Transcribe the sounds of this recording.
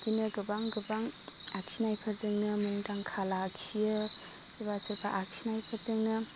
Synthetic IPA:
kinɯɡɯbaŋɡɯbaŋ | aksʰinajpʰazɯŋnɯmɯŋdaŋkʰalaksiɯ | ibasɯɾpʰaʔak̚sʰinajpʰɯzɯŋnɯ

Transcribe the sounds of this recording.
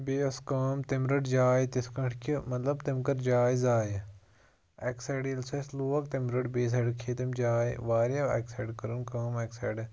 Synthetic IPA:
beːɐskɐːmt̪imɾɐɖd͡ʒaːit̪iskɐɳʈʰkʰʲimɐt̪lɐbt̪imkɐɾd͡ʒaːizaːj | ɐkseɖilsɐsluːɐkt̪imɾɐɖbeːs̬ɐɖkʰeːt̪imd͡ʒaːḭʋaːɾjɐɐ̰ksɐːɖkɐɾɨnkaːmɐksḛːɖ

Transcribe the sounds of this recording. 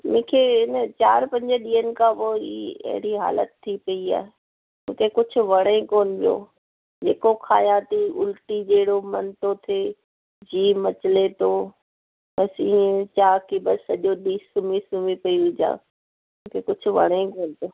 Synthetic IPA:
mʊ̃ːkʰeɪnət͡ɕaːɾpɐ̃ɲd͡ʑəɗiːənɪ̆kʰãːpoiɐ̰ɦɪɽiɦa̰ːlə̰t̪ʰːipɐia̰ːɦe | mʊ̰̃ːkʰekʊd͡ʑʱʊ̆ʋɐɽ̃ẽkoːnɪpijo̰ː | d͡ʑeːkokʰaːjãt̪iʊ̰lʈid͡ʑeːɪɽomɐnt̪ot̪ʰe | d͡ʑiːmɐt͡ɕɪlet̪oː | bɐsiːẽt͡ɕaːkʰibɐsɐʄoɗiːsʊmisʊmipɐiʊd͡ʑa̰ː | mʊ̃ːkʰekʊd͡ʑʱʰʊʋɐ̰ɽ̃ẽkoːnɪpoː

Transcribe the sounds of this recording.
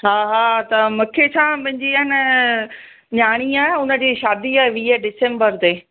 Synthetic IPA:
ɦaːɦaːt̪ɐmɐkʰet͡ɕʰãːpɐ̃ɦɪ̃ɲd͡ʑiːanə | ɲaːɽ̃iaːɦeʊnə̆d͡ʑiːʃaːd̪iaːɦeʋiːəɖɪsẽːmbəɾt̪eː

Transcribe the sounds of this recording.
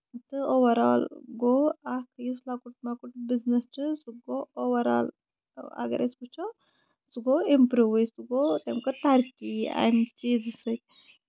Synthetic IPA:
t̪ɨoʋɐɾaːlɡoːakjuslakuʈmakuʈbiznɐst͡ʃɨsuɡooʋɐɾa̰ːl | ɐ̰ɡɐ̰ɾesput͡ʃʰo | suɡoimpɾuːʋisuɡot̪emkɐt̪ɐɾkia̰jmt͡ʃiːzsɨk̚

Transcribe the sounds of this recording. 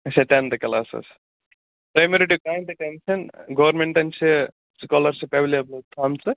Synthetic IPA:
ɐseʈand̪ɐkɐlaːsɐ̰s | pɾɐjmeɾiʈikɾaːjnd̪ɐʈenʃɐnɡɐʋɐɾmeɳʈɐnt͡ʃʰe | skɔːlɐɾsipɐʋliɐblot̪ʰaːmt͡sɨ

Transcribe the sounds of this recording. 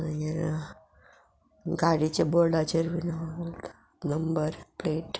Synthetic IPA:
ja | ɡaɽit͡ɕeboɾɖat͡ʃəɾʋinabolt̪ḁ | nəmbəɾpleʈ

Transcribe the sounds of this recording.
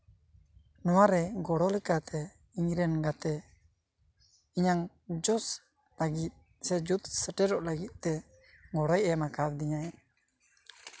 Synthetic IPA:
nɔwaɾɛɡɔɽɔlɛkat̪ʰɛ | iɲɾɛnɡat̪ɛ | iɲaŋ | d͡ʒɔs | laɡit̪̚ | sɛd͡ʒut̪səʈɛɾɔʔlaɡit̪̚ˀt̪ɛ | ɡɔɽɔjɛmakabd̪iɲaj

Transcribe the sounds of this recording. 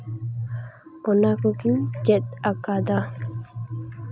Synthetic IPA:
ɔnakɔkid͡ʒɛt̪̚akad̪a

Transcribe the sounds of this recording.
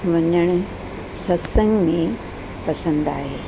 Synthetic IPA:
ʋɐɲəɽ̃ | sɐsə̃ŋɡmẽ | pɐsə̃nd̪a̰ːɦeː

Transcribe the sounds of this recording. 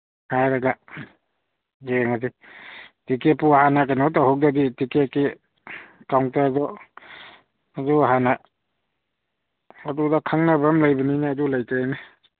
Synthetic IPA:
hajɾaɡa | jeŋasi | tikepuhanak̬anɔtahɔk̚daditikeki | kawŋtazɔ | azuɦana | adudakʰaŋnabamlajbaninaːdulajtaajna

